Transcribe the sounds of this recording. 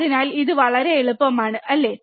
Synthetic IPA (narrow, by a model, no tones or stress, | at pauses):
ðinaːliðɨʋɐɭɐɾe̞eɭupːɐmaːɳɨʔɐlːe̞